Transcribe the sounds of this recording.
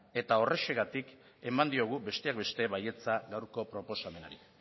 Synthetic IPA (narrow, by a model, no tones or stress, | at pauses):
e̞t̪ao̞re̞ʃeɣat̪ik | e̞mand̪io̞ɣ̞ube̞st̪e̞ak̚be̞st̪e̞βaje̞t͡saɣawɾko̞pɾo̞po̞same̞naɾi